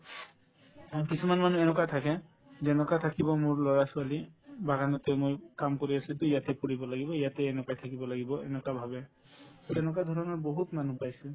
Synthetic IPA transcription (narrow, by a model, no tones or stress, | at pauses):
kisumanmanuɛnɔkatʰakɛ | zɛnɔkat̪ʰakibɔmʊɹlɔɹasualibaɡanɔtɛmojkamkoɹiasituijatɛpuɹibɔlaɡibɔijatɛɛnɔkajtʰakibɔlaɡibɔɛ̰nɔkabʱabɛ | sɛnɔkad̪ʱɔɹɔnɔɹboɦutmanupajsʊ